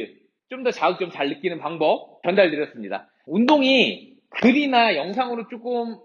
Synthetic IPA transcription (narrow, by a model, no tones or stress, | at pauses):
ɭ | t͡ɕ͈omdʌt͡ɕaɯk̚t͡ɕ͈omt͡ɕaɭːɯk͈inɯnpaŋbʌp̚t͡ɕjʌndaɭdɯɾjʌs͈ɯmɲida̰ | undoŋi | kɯɾinajʌŋsʰaŋɯɾot͡ɕ͈ok͈ɯm